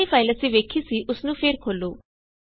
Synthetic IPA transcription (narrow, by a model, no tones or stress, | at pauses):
iːpʰaːɪləsĩːʋeːkʰiːsiːʔʊsnũːpʰeːɾkʰoːloː